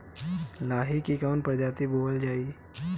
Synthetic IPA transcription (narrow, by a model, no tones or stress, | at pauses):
laːɦikikanpəɾd͡ʒat̪iboːəld͡ʒaːi